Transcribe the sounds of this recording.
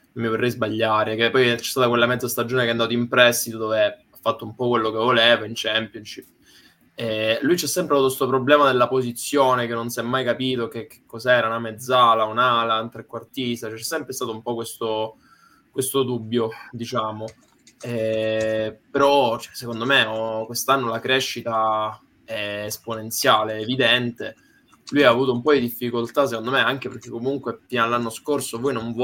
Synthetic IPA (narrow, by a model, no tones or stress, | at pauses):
mːivorːɛjzbaʎːaːɾekepːɔjt͡ʃɛ̥st̪at̪akwelːamɛd̪zast̪ad͡ʒːoːnekeɛand̪aːt̪oimpɾɛst̪it̪od̪oːveafːat̪ːoumpɔkwelːokevːoleːvaint͡ʃɛmpjonʃip | ɛlujt͡ʃɛsːɛmpɾaut̪kest̪opɾoblɛːmad̪elːapozit̪sːjoːnekenːonsiɛmːajkapiːt̪ok̟ekːe̥kːɔzaɛːɾaunamed̪zːaːlaunalaunt̪ɾekːwart̪ist̪at͡ʃɛt͡ʃɛsːɛmpɾest̪at̪oumpɔkwest̪o | kwest̪od̪ubːjod̪it͡ʃaːmo | ɛ | peɾɔt͡ʃɛsekond̪omeɔkwest̪anːolakɾeʃːit̪a | ɛːsponent̪sjaːleːvid̪ɛnt̪e | lujaːvuːt̪̬oumpɔd̪id̪ifːikolt̪as̬ekond̪omeaŋk̟eperk̟ːekːomuŋkwefiːnalːanːoskorsovɔjnoɱv